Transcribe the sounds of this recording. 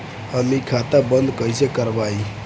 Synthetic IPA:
əmikʰat̪abənd̪kəjsekəɾbaj

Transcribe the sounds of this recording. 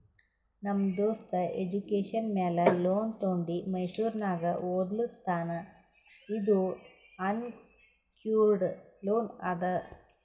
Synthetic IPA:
nɐmːd̪oːst̪ɐed͡ʒukeːʂɐnmeːlɐloːnt̪oːɳɖimɐjsuːɾnaːɡɐʔoːd̪lut̪ːaːnɐ | id̪u | ɐn | kjuːɖloːnɐ̰d̪ɐ

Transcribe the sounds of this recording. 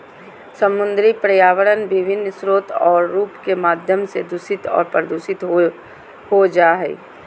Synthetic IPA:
səmʊ̃nd̪ɾipɾəjaːʋəɾənʋɪʋʱɪnːsɾoːt̪ʰɔːɾːuːpkemaːd̪ʱjəmsed̪ʱʊsɪt̪ɔ̰ːɾpɾəd̪uːʃɪt̪o | ɦod͡ʒaːɦɛ̰ː

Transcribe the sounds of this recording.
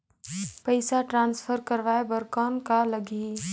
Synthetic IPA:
pəɪsaʈɾãːnspʰəɾkəɾʋaːebəɾkɔːnkaləɡi

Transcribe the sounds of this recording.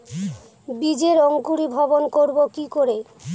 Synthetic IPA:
bid͡ʑeɾoŋkuɾibʱɔbonkoɾbokikoɾe

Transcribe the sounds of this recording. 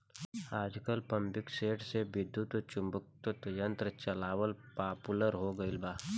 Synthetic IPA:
aːd͡ʒkəlpɐ̃mbɪkseːʈʰsebɪd̪ːut̪t͡ʃʊmbʊk̚t̪ət̪jə̃nt̪ɾət͡ʃɐlaːʋəlpaːpuləɾɦoːɡəɪlbaː

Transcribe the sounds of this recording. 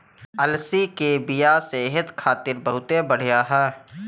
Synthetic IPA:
ɐlsikebɪjaːseːɦət̪kʰaːt̪ɪɾbəɦʊt̪ebəɽ̤ijaːɦɛː

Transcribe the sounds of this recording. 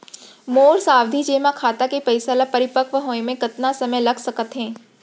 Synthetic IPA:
moːɾsaːwd̪ʱid͡ʒeːmakʰaːt̪akepɐɪsalapɐɾɪpəkʋəɦoːemẽkɐt̪nasɐməjlɐɡʱsɐkət̪ɦɛ̃ː

